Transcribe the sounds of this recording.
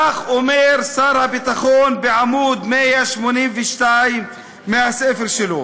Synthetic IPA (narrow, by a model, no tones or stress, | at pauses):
axʔʊmeːɾsɑːɾˤhabit̪axuːnbɪʕamuːd̪mijaʃmoniːnvɪʃt̪aːjmː | ɪnhaseːfɪɾʃɪluː